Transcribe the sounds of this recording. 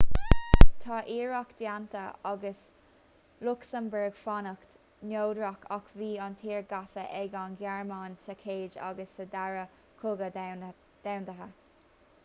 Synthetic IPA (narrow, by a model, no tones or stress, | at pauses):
t̪ʰɑːʔiːɹakd̪̥jant̪əɑɡəs | lʊksəmbɛɹɡfɑnəkt̪ | noːd̪ɹakʰakviːɑnt̪ʰiːɹɡafəʔɛɡanɡjaɹmɑːnsəkʰeːd͡ʒa̰ɡəsəd̪aɹə | kʰʊɡə | d̪̥awndəɦə